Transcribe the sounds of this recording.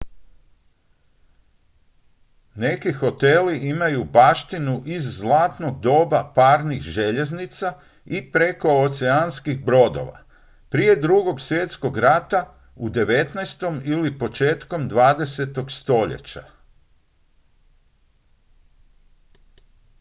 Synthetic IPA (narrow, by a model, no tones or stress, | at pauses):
ne̞kixo̞t̪e̞liʔimajubaːʃt̪inuʔizːlˠaːt̪no̞ɡ̚d̪o̞ːbapaːɾnixʒe̞ʎe̞znit̪sa | ipɾe̞ko̞ot̪seanskixbɾo̞d̪o̞̰ʋa̰ | pɾie̞d̪ɾuɡo̞ɡsje̞t̪sko̞ɡɾat̪a | ud̪e̞ʋe̞t̪najst̪o̞milipo̞t͡ʃe̞ːt̪ko̞md̪ʋaːd̪e̞se̞t̪o̞ɡst̪o̞ʎḛt͡ɕa̰